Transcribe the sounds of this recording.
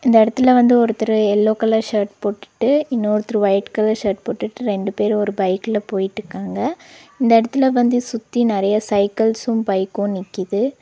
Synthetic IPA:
ɪnd̪ɐɪɽɐt̪ːɯlɐʋɐnd̪ɯɔɾɯt̪ːɪɾɯɛlːoːkɐlɐʂɐɾʈpoːʈːɯ̥ʈːɯɪnːoːɾɯt̪ːɪɾɯʋɐɪʈkɐlɐʂɐːʈ̚poːʈːɯʈːɯɾɛɳɖɯpeːɾɔɾɯbɐɪkːɪlɐpoːjɪʈːɾɯkːaːŋɡɐɪnd̪ɐɪɽɐt̪ːɪlɐʋɐnd̪ɯsʊt̪ːinɪɾɐjɐsɐɪkɐlsʊmbɐɪkːʊ̃nɪkːɪðɯ

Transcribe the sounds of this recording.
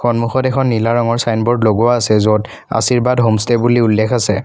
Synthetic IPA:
xɔnmuxɔtɛkʰɔnːilaɹɔŋɔɹsajnbɔɹdloɡuwaːsɛzot | a̰siɹbadɦomstɛbuliulːɛkʰasɛ

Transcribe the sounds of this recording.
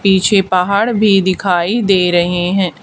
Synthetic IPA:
piːt͡ʃʰeːpaːɦaːɽbʱiːd̪ɪkʰaːiːd̪eːɾəɦeːɦɛ̃ː

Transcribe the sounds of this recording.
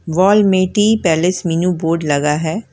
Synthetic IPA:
ʋɔːlmẽːʈiːpɛːlɪsminuboːɾɖlɐɡaɦɛː

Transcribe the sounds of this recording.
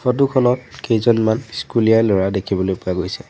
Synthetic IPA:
fɔtukʰɔlɔtkejzɔnmanskulijalɔɹadekʰibɔlojpʊaɡojsɛ

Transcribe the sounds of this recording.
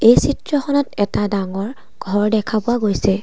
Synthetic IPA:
ejsitɹɔxɔnɔtɛtadaŋɔɹ | ɡ̥ʱɔɹdɛkʰabʊwaɡojsɛ

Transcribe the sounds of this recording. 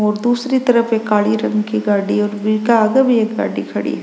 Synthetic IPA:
oɾd̪uːsɾit̪ɐɾɐpekaːɭiɾɐŋkiɡaːɖioɾbilkaːɡɐʋijɐɡa̰ːɖḭkʰɐɽḭjɐ

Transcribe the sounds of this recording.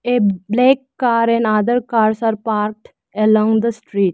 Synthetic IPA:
eblekːaɾɛ̃nad̪əɾkaɾsaɾpaɾk̚ʈ | ɛlɔ̃ŋɡd̪əsʈɾiːʈ̚

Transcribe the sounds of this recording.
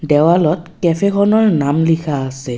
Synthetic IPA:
dɛwalɔtkɛpʰɛkʰɔnɔɹnamlikʰaːsɛ

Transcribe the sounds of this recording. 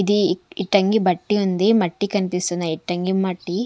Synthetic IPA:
id̪iiʈːɐŋɡibɐʈːiɐnd̪imɐʈːikɐnpisɐnɐiʈːɐŋɡimɐʈːi

